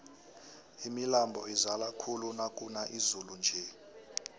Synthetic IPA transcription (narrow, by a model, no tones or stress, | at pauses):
imilambʱɔizalakʰulunakʼunaʔizulund͡ʒʱɛ